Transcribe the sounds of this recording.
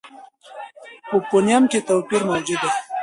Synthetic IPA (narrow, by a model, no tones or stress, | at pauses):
popunjamket̪owpiɾmaːd͡ʑud̪a